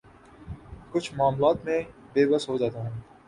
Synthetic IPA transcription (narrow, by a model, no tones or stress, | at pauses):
kʊt͡ʃʰmɑːmlɑːt̪mẽbeːbɐsɦod͡ʒɑːt̪aːɦũː